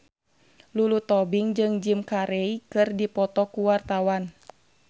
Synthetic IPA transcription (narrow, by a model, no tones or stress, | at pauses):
lulut̪ɔbiŋd͡ʒɨŋd͡ʒimkaɾɛikɨrdipɔt̪ɔkuwart̪awan